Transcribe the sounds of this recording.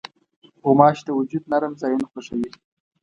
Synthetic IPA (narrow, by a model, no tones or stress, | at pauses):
homɑːʃd̪əwʊd͡ʒud̪naɾəmzɑjunxoʂawi